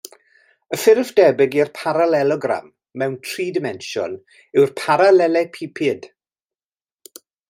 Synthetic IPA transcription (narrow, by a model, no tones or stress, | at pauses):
əfɪrvdɛbɪɡirpʰaɾalɛlˠɔɡra̰mː | ɛwntʰriːdɪmɛnʃɔ̰n | ɪwrpʰaɾalɛlɛpʰipʰɪd̥